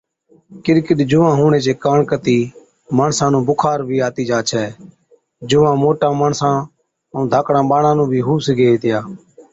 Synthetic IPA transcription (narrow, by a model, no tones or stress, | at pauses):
kɪɾkəɗ̪d͡ʒʊːãːɦuːɳeːt͡ʃeːkaːɳkət̪iː | məɳsãːnũːbʊkʰaːɾbʱiːaːt̪iːd͡ʒaːt͡ʃʰɛː | d͡ʒʊʋãːmoːʈãːməːɳsãː | ə̃d̪ʱaːkɽãːɓaːɳãːnũːbʱiːɦuːsɡeːet̪ɪjaː